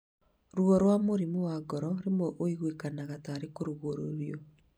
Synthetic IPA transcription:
ɾuɔɾwamoɾimowaɡɔɾɔɾemwɛʔoiɣwekanaɣataːɾekoɾuɣoɾoɾjɔ

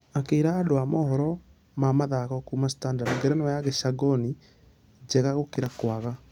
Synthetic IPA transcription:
akeiɾaːdoamɔhɔɾɔ | mamaðaɣɔkumastandadŋɡɛɾɛnjaɣeʃaɡɔni | d͡ʑɛɣaɣokeɾakwaɣa

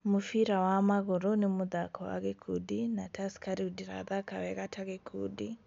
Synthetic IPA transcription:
mufiɾawamaɣuɾunimuðakʰɔwa̰ɣɛkʰudinatʰaskaɾiudiɾa̰ðakawɛɣatʰaɣɛkʰudi

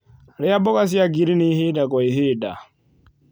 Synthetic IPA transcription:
ɾɛjabɔkas̬iaɡiɾiniheːdakɔiɦeːda̰

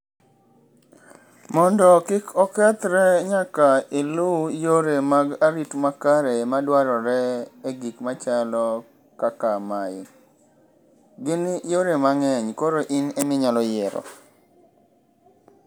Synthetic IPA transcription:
mɔndɔkɪkʰɔkɛt̪ɾɛɲakailujoɾemaɡaɾitmakaɾemadwaɾɔɾɛeɡikmat͡ʃalɔ | kakamajɪ | ɡɪnjoɾemaŋɛɲkoɾoʔinemɪɲalɔjɛɾɔ̰

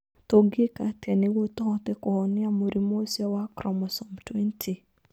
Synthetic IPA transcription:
toɡekatɛnɪwotɔ̃tekɔhɔnɪ̃amoɾimosɔwakɾɔmɔsɔmtwɛntʰi

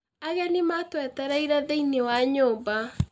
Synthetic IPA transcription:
aɣanematwɛtaɾaiɾaðeinewaɲoːba

